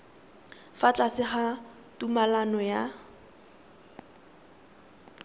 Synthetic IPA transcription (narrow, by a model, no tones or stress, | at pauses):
fat͡ɬʼasɪχa | tumalanɔja